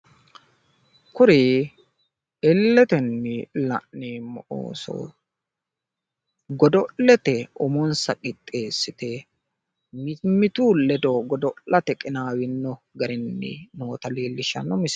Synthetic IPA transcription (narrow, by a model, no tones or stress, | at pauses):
kʊɾeː | ɛlːɛt̪ɛnːɪlɐʔɛmɔʔo̰ːsɔ̰ | ɡɔd̪ɔɛt̪ɛɔmɔnsɐkʼɪt̪ʼːeːsːɪt̪ɛ | mmɪt̪uːlɛd̪ɔɡɔd̪ɔlʔɐt̪ɛkʼɪnaːwɪnːɔ | ɡɐɾɪnːɪ̰noːt̪ɐleːlːɪʃɐ̰nːɔmɪs